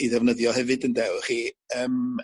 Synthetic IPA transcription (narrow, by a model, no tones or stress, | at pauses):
iðɛvnəðjɔhɛvɨdəndɛwχiːəm